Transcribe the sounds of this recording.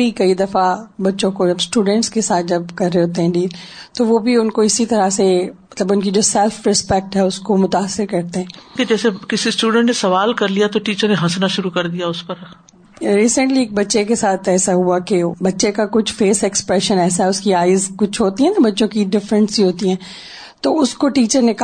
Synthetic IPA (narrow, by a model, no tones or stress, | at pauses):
ikɐid̪ɐfabɐtːʃõkod͡ʒɐbsʈuːɖə̃ɳʈskesaːt̪̚ʰd͡ʒɐbkɐɾːeɦoːt̪̬eɦɛ̃ɖiːlt̪oʋobʱiʊnkoɪsit̪ɐɾasemɐt̪ləbʊnkid͡ʒoːsɛlfɾɪspɛk̚ʈɦɛʊskomʊt̪aːsːɪɾkɐɾt̪eɦɛ̃ːked͡ʒɛːsekɪsisʈuːɖə̃ɳʈnesɐʋaːlkɐɾlijat̪oʈiːt͡ʃəɾneɦɐsnaʃʊɾukɐɾd̪ijaʊspɐɾ | ɾiːsə̃ɳʈlieːk̚bɐtːʃekesaːt̪ʰɛːsaɦuakebɐtːʃekakʊt͡ʃʰfeːsɛkspɾɛʃənɛːs̬aɦɛʊskiaːɪzkʊt͡ʃʰɦoːt̪iɦɛnabɐtːʃõkiɖɪfɾə̃nsiɦoːt̪iɦɛ̃ː | t̪oːʊskoʈiːt͡ʃəɾnek